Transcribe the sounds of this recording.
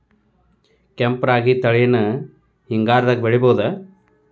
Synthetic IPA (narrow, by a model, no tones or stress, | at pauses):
kempɾaːɡit̪ɐɭijɐnɐ | hiŋɡaːɾd̪ɐkbeɭiboːd̪ɐ